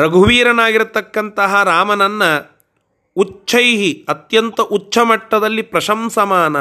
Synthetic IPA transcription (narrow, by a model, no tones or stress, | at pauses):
ɾɐɡʱuʋiːɾɐnaːɡiɾut̪ːɐkːɐnt̪ɐɦɐɾaːmɐnɐnːɐ | ut͡ʃːʰɐjɦiɐt̪jɐnt̪ɐʔut͡ʃːt͡ʃʰɐmɐʈːɐd̪ɐlːipɾɐʃɐmsɐmaːnɐ